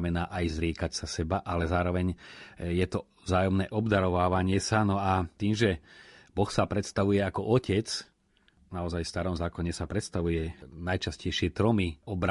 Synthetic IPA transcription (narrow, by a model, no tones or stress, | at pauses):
mɛnaːʔajzɾɪɛːkacsasɛbaʔalɛzaːɾɔʋɛɲjɛt̪ɔ | vzaːjɔmnɛːʔɔbd̪aɾɔʋaːʋaɲɪɛsanɔat̪iːmʒɛbɔxsapɾɛt̪st̪aʋujɛakɔʔɔcɛt͡s | naɔzajfst̪aɾɔmzaːkɔɲɛsapɾɛt̪st̪aʋujɛnajt͡ʃascɛjʃɪɛt̪ɾɔmiɔbɾa